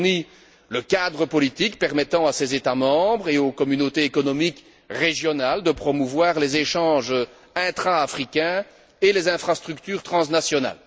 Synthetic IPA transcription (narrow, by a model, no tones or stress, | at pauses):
ni | ləkad̪ʁəpɔlit̪ikpɛʁmɛt̪ɑ̃asezet̪amɑ̃bʁeokɔmynot̪eekɔnɔmik | ʁeʒjɔnald̪əpχɔmuvwaːʁlezeʃɑ̃ːʒə | ɛ̃t̪χaːfχikʲɛ̃ | elezɛ̃fχast̪χykt̪yːʁt̪χɑ̃snasjɔna̰l